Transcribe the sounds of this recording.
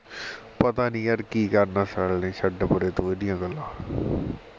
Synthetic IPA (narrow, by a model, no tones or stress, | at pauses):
pət̪aːnĩːəɾkiːkəɾnaːsəlnẽːʃəɖəpʊɾeːt̪õːeːd̪ɪjãːɡəlːãː